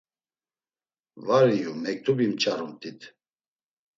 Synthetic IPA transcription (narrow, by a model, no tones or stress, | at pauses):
vaɾijumɛk̚t̪ʰubimt͡ʃʼaɾumt̪ʰʼit̪ʰ